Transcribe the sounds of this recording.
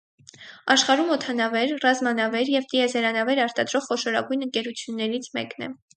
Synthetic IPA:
ɑʃχɑɾumɔt̪ʰɑnɑvɛɾrɑzmɑnɑvɛɾjɛvt̪iɛzɛɾɑnɑvɛɾɑɾt̪ɑd̪ɾɔʁχɔʃɔɾɑ̰ɡujnəŋkɛɾut͡sʰjunːɛɾit͡sʰmɛ̰knɛ̰

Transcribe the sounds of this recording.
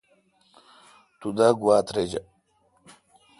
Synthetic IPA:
t̪ud̪aɡuwaːt̪ɾed͡ʑɐ

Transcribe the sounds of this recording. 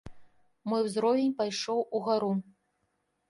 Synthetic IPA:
mɔjwzɾɔvʲenʲpajʂɔwʔuɣaɾu

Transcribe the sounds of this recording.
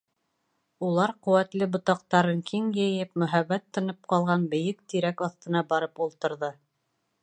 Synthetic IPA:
ulˠɑɾqɵ̆wæt̪lɘbŏt̪ɑq̚t̪ɑɾɤŋkʰiŋjɘ̆jɘp̚mɵ̆ɦæβːæt̪ʰːɤ̆nɤp̚qɑlˠʁɑnbɘ̆jɘkt̪iɾækɑθt̪ɤ̆nɑbɑɾɤpulˠt̪ɤ̆ɾðɤ

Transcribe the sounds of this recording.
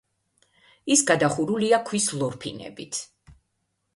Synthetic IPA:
isɡad̪aχuɾuliakʰwislˠɔɾpʰḭnɛ̰bit̪ʰ

